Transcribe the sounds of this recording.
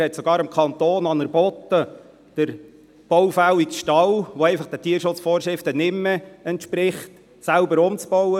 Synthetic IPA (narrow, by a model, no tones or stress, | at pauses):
ɛtsɔɡ̥ɑːɾɪmkʰχɑnt̪oːnɑnəɾbɔt̪ə | d̥əɾ | b̥ɔwfæwikʃtɑlʋɔɛɪfɑχd̥ɛtiːəɾʃʊt͡sfɔːrʃɾɪftənɪmːɛɛntʃpɾɪχt | sælbəɾʊmt͡sb̥ɔwə